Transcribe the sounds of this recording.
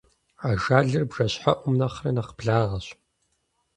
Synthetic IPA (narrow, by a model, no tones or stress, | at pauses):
ʕaʒaːɮɨrbʐɐɕħaʔʷʊmnɐχrɐnɐqbɮaːʁɐɕ